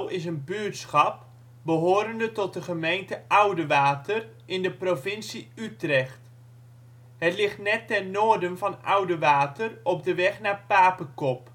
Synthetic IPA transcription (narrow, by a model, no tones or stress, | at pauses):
wɪsənbyətsχɑp̚ | bəɦoːɾəndətɔt̚dəχəmejntəʔawdəʋaːtər | ʔɪndəprovɪnsiytrɛxt | hətlɪχtnɛtːɛrnoːərdənvɑnawdəʋaːtərɔp̚dəʋɛχnapaːpəkɔp̚